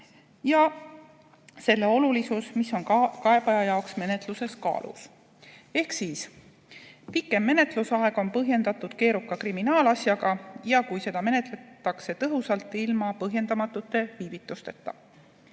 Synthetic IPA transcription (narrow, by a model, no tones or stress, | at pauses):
jɑ | se̞lːe̞o̞lulisusmisːo̞nkɑe̞b̥ɑjɑjɑoksme̞ne̞t̪ˑluse̞skɑ̰ːlʔṵs | e̞hksiːs | pikːˑe̞mːe̞ne̞t̪lusɑe̞ɡ̥o̞npɤɦje̞nd̪̥ɑt̪ːˑud̪̥ke̞ːɾukːˑɑkriminɑːlɑsjɑɡ̥ɑjɑkujse̞d̪̥ɑme̞ne̞t̪ˑle̞t̪ːˑɑkse̞t̪ɤɦusɑlt̪ːˑilmɑpɤɦje̞nd̪ɑmɑt̪ːˑut̪ːˑe̞viːvit̪ːˑust̪e̞t̪ːˑɑ